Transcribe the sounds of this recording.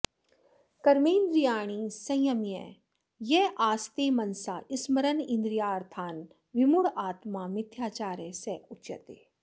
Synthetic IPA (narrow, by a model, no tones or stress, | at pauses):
kɐɾmiːnd̪ɾijaːɽ̃isɐ̃j̃jɐmjɛ̰ | jeːʔaːst̪eːmɐnsaːʔɪsmɐɾənɪ̃nd̪ɾijaːɾt̪ʰaːn | ʋɪmʊɽaːt̪mamɪt̪ʰjaːt͡ʃaːɾeseʊtːjɐ̰t̪eː